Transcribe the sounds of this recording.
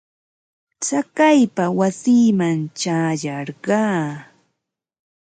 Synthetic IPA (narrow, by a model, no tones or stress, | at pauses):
t͡sakajpawasiːmant͡ʃaːjɑɾɢɑː